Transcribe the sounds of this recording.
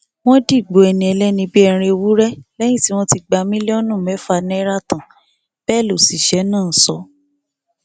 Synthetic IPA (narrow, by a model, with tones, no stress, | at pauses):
w̃ɔ̃˦di˦˨ɡ͡bo˨ɛ˨nĩ˨ɛ˧lɛ˦nĩ˧bi˦ɛ˧ɾ̃ẽ˧o˧wu˦ɾɛ˦lɛ˦j̃ĩ˦˨ti˦w̃ɔ̃˦ti˧ɡ͡ba˧mĩ˦lɛ˦ɔ˦nũ˦˨mɛ˨˦fa˧nɛ̃˦ɾa˦˨tã˨ | b̥ɛː˦˨lo˨si˨ʃɛ˨˦nãː˦˨˦sɔ˧˦